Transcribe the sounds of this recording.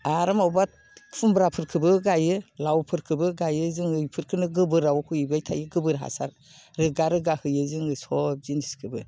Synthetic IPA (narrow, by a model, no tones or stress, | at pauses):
aɾamawbat̚ʰfʰumbɾapʰɯɾkʰɯbɯɡajɯlawpʰɯɾkʰɯbɯɡajɯzɯŋɯjpʰɯɾkʰɯnɯɡɯbɯɾawkʰuibajtʰa̰jɯɡɯbɯɾɦa̰sa̰ɾ | ɾɯɡaɾɯɡahɯjɯzɯŋɯsɔb̚ziniskʰɯbɯ